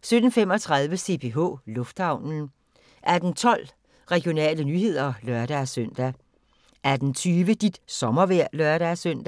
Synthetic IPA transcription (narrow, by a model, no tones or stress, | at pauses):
sød̥n̩fem̰ɒt͡sʰʁað̞ˠʋəse̝pʰe̝ɦɔ̰ːlɔ̽fd̥hɑ̈ʊ̰nn̩ | ʔæd̥n̩t͡sʰɒ̽l̰ | ʁɛɡ̥jo̝nɛ̰ːlənyːɦe̝ð̞̰ˠɐlœɐɾ̥æsøn̰d̥æ | ʔæd̥n̩t͡sʰyːʋəd̥id̥sɒ̽mɐʋæɐ̰lœɐɾ̥æsøn̰d̥æ